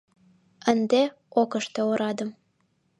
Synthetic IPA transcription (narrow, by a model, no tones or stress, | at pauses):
ənd̪e | okə̆ʃt̪eoɾɑd̪ɤ̆m